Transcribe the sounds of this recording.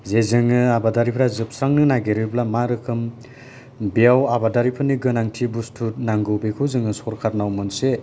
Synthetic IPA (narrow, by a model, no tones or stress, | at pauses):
zezɯŋɯabadaɾipʰɾazɯp̚saŋnɯnaɡeɾɯɾblamaɾɯkʰɯm | bijawabadaɾipʰɯniɡɯnaŋtʰibustʰutnaŋɡɯwbekʰɯwzɯŋɯsɔɾkʰaɾnawmɯnse